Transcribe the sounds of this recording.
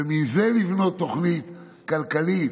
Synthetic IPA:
emizelivno̞t̪ːo̞χnit̪ | kalkalit̪

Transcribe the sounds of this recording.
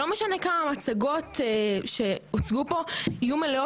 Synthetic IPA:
omeʃane̞kamamat͡saɡo̞tʃe̞ot͡sɡupo̞ijumeleo

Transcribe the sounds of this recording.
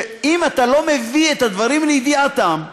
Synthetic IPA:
imat̪alo̞me̞viet̪had̪vaʁimleid̪iat̪am

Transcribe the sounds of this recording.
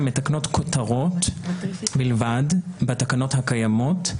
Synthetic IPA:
metakno̞tkʰotaʁo̞t | bilvadbatakano̞thakajamo̞t

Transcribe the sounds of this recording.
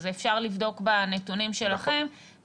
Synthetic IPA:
zeːfʃaʁlivdo̞kbanetunimʃe̞laχe̞m

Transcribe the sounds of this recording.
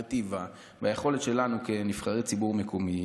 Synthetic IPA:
t̪iva | bajeχo̞le̞t̪ʃe̞lanuke̞nifχaʁit͡sibuʁmekʰomi

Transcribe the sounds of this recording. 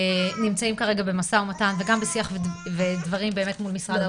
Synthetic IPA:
nimt͡saimkaʁeɡabe̞masaomatanveɡambesiaχvvedvaʁimbeːme̞tmulmisʁad̪a

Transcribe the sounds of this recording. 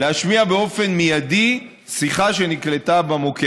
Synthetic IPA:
leaʃmiabeo̞fe̞nmijad̪i | siχaʃe̞nikle̞t̪abamoke

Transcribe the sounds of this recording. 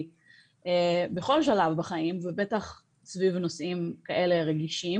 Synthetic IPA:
ebeχo̞lʃalavbaχaimvebe̞t̪aχ | svivnosʔimkaʔe̞leʁeɡiʃi

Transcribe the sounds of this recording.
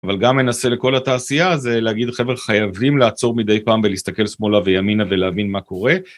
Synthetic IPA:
avalɡamːe̞nasele̞ko̞lat̪aːsijaze̞leaɡid̪χe̞vχajavimlaːt͡so̞ʁmid̪e̞jpaːmvelist̪ake̞lsmo̞lavejaminave̞leavinmako̞ʁe̞

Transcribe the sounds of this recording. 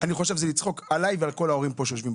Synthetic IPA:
aniχo̞ʃe̞vzelit͡sχo̞kalajvealko̞lao̞ʁimpo̞ʃejoʃvimb

